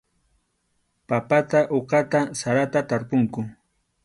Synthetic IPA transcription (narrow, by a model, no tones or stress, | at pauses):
papat̪aʔoqɑt̪asaɾat̪at̪aɾpʊŋkʊ